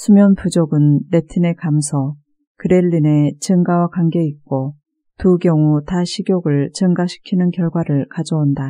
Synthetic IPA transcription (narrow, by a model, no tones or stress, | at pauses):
sʰumjʌnpud͡ʑoɡɯnːe̞tʰɯne̞kamsʰʌ | kɯɾe̞ʎːine̞t͡ɕɯŋɡawakwaŋɡe̞ik̚k͈o | tuɡjʌŋutaɕʰiɡjoɡɯɭt͡ɕɯŋɡaɕʰi̥kʰinɯnkjʌɭɡwaɾɯɭkad͡ʑʌonda